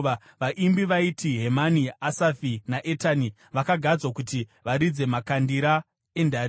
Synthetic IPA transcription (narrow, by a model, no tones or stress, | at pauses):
ʋaʔimbiʋaitʰiɦemaniasafinaʔetani | ʋakaɡʱad͡zwakutiʋaɾid͡ze̞makandiɾa | e̞ndʱaɾ